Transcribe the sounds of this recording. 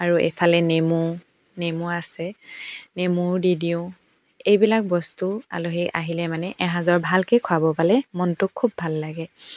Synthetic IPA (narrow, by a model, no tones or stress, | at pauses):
aɹuḛpʰalɛnemu | nemuasɛnemʊɹdidio | ejbilak̚bɔstua̰loɦiʔaɦilɛmanɛʔɛɦãzɔɹbʱalkejkʰʊabɔpalɛmɔntʊkʰːubʱalːaɡɛ